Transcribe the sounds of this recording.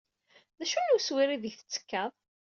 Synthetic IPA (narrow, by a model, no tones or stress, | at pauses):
ðæʃunuswiɾiðəçθə̥t͡sːə̥kːəðˤ